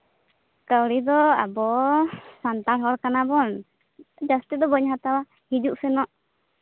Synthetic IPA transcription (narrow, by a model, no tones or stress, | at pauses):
kawɾid̪ɔa̰bɔsant̪aɾɦɔlkanabɔn | d͡ʒast̪it̪d̪ɔbɔɲɦat̪awa | hid͡ʒuʔsɛnɔʔ